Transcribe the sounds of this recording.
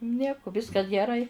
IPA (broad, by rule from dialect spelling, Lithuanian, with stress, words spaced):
ˈnʲiɛkʊ ˈʋʲɪskɐs ɡʲɛˈrɐɪ